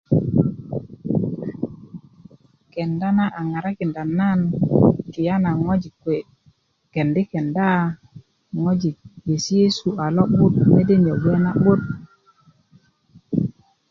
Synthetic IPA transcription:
ke˨nda˦na˦ʔa˨ŋa˨ɾa˦ki˨nda˨nːa˦nki˨ja˦na˨ŋo˦d͡ʒi˨kwe˨ | ke˨ndi˦ke˨nda˦ | ŋo˦d͡ʒi˨k̚je˨si˦je˦su˨a˨lo˦ɓu˦t̚me˦de˦ɲe˨we˦na˦ɓu˦t̚

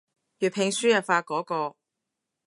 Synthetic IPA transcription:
jyː˨pʰɪ˨˧ŋsyː˥jɐ˨faː˧kɔː˨˥kɔː˧

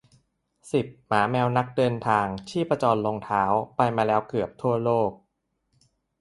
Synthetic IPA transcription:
si˨˩p̚maː˩˦mɛː˧wna˦˥k̚dɤː˧nt̪ʰaː˧ŋt͡ɕʰiː˥˩pɾa˧t͡ɕɔː˧nloː˧ŋt̪ʰaː˦˥wpa˧jmaː˧lɛː˦˥wkɯ˨˩əp̚t̪ʰu˥˩ɐloː˥˩k̚

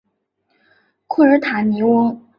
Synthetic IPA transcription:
kʰu˥˩ɻə˧˥t̪ʰa˨˩ni˧˥wʊ˥ŋ

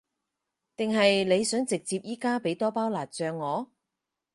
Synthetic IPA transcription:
t̪ɪ˨ŋɦɐ˨jle˨˧jsœː˨˥ŋt͡sɪ˨k̚t͡siː˧p̚jiː˥kaː˥pe˨˥jt̪ɔː˥paː˥wlaː˨˩t̚t͡sœː˨˧ŋːɔː˨˧

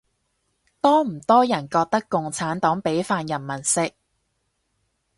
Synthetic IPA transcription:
t̪ɔː˥m̩˨˩t̪ɔː˥jɐ˨˩nkɔː˧k̚t̪ɐ˥kkːʊ˨ŋt͡sʰaː˨˥nt̪ɔː˨˥ŋpe˨˥jfaː˧njɐ˨˩nmɐ˨˩nsɪ˨˧k̚

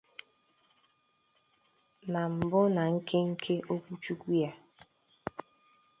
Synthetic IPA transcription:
na˨m̩˨bʊ˦na˨ŋ̩˦kʰe˦ŋ̩˦kʰe˦ʔo˦kʷu˦t͡ʃu˦kʷu˦ja˦

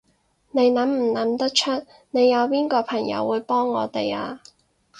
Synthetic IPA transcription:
ne˨˧jnɐ˨˥mm̩˨˩nɐ˨˥mt̪ɐ˥k̚t͡ʃʰɵ˥t̚ | ne˨˧jːɐ˨˧wpiː˥nkɔː˧pʰɐ˨˩ŋjɐ̰˨˧wːuː˨˧jpɔː˥ŋːɔː˨˧t̪e˨ja̰ː˧

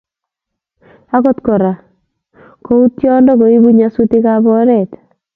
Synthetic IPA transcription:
a˦ko˦tkɔ˨ɾa˨ | ko˦u˦tjɔ˦ndɔ˦ko˨i˦bu˦ɲa˨suti˦ka˦bɔ˦ɾɛt

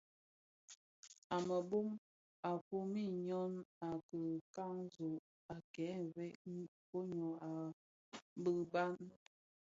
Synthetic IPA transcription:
a˨mə˨bu˦m | a˨fu˦mi˦˨ɲɔ˦na˨kə˨ka˦ŋ˦zo˨ | a˨kɛ˨˦vɛ˦ʔko˦ɲo˨a˨˦ | bə˦ba˦n

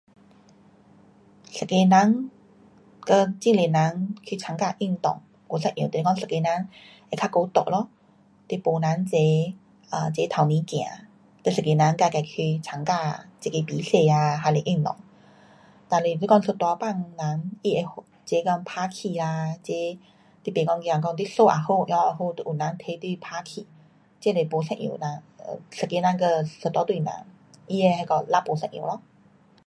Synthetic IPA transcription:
ɬə˨˩ke˧nã˧˦˥ŋ | kə˧t͡ɕi˥˧˨ŋle˨˩nã˧˦ŋkʰi˧t͡sʰa˧˥ŋkaː˧ʔi˥˧˨ŋt̪ɔ̰˨˩ŋ | ksa˧˨ʔj̃t̪e˨e˧˦kɔ˥˧sə˨ke˧nã˧˥ŋ | e˧kʰa˧˥ko˧t̪ɔ̰˨˩ʔ̚lɔ˧˦ | t̪e˧˩po˨nã˨˧˦nt͡se˧˦ | ə˧˩t͡ɕe˧˦t̪ʰa˨˩wnĩ˧˦kj̃ã̰˨˦ | t̪e˧˩sə˨˩ke˧nã˧˦˥ŋka˧˩ka˧˩jkʰy˧t͡ɕʰa˧˦ŋkaː˧˩t͡se˨˧ke˧pi˨˦se˧˨aː˧ɦa˧˩le˧˨ʔi˧ŋt̪ɔ̰˨˩˨ŋ | t̪a˧li˧˨li˧˦kɔ˧ŋsə˧t̪wa˧˦pa˥˧˨ŋnã˨˦ŋi˧ʔe˧˩ho˨˩ | t͡ɕe˨˦kɔ˥˧ŋpʰa˧˥kʰi˨la˧t͡ɕe˧˦ | t̪i˦˥pe˨˩kɔ˧ŋki˧ã˧˩kɔ˧ŋt̪i˦˥so˥˧ʔa̰˨˩ho˥˧ʔja˨˧ɦo˥˧˨t̪u˧˨ʔu˨˩nã˨˦nt̪ʰe˧˦t̪wi˥˧˨pʰa˧kʰi˨˩˦ | t͡ɕe˦le˨˧˩po˧˦sã̰˧ʔḭ˧˩nã˧˦ŋ̰˧˩sə˨˩ki˧˦nã˧˦nkə˧sə˨˩t̪wa˧˦t̪wi˧nã̰˧˦ŋ | i˧e˧ha˧kɔ˧la˦˥po˨˧sɛ̃˧˩ʔj̰lɔ˧˦

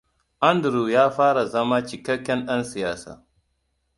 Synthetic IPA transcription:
ʔa˦ndɾuː˨jaː˦ɸaː˦ɽa˨zɐ˦maː˦t͡ʃɪ˨kɐ˦kʲːɛ˦nɗɐ˦nsɪ˨jaː˦sa̰ː˨

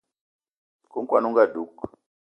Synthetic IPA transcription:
ku˦ŋkwa˨nu˦ŋɡa˨du˦k

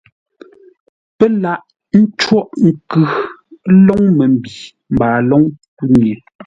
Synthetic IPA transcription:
pɛ˦la˦ʔ | n̩˦t͡ʃwɔ˦ʔŋ̩˨kʉ˨˦lɔ˦ŋmɛ˨m̩˨bi˨ | m̩˨baː˨lɔ˦ŋku˦ɲ˨e˨

